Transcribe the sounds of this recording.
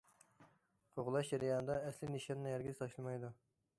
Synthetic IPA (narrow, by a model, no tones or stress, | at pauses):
qʰoʁʊlˠɑʃd͡ʒɛɾijɑːnɨd̪ɑɛslɪniʃɑnːɨjɛɾɡʲiz̥t̪ʰɑʃlˠɨmɑjd̪u